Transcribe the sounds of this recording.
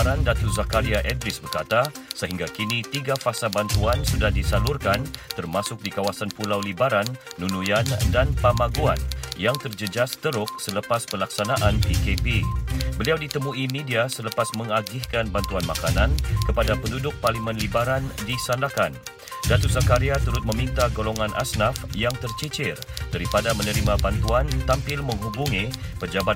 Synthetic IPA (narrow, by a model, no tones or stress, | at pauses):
ɾandat̪uzakaɾiaʔɛdɾɪsbərkat̪a | səɦiŋɡakinit̪iɡafasabant̪uansudahdisalʊrkant̪ərmasʊk̚dikawasanpulawlibaɾanːunujandanpamaɡua̰njaŋt̪ərd͡ʒəd͡ʒast̪əɾʊk̚sələpaspəlaksanaʔanpikepibəliawdit̪əmuimidiasələpasməŋaɡɪhkanbant̪uanmakanankəpadapəndudʊk̚parlimə̃nlibaɾandisandakan | dat̪us̬akaɾiat̪uɾʊt̪̚mə̃mint̪aɡoloŋãnʔa̰snafjaŋt̪ərt͡ʃit͡ʃɪrdaɾipadamənəɾimãbant̪uant̪ampɪlmə̃ŋɦubuŋipəd͡ʒaba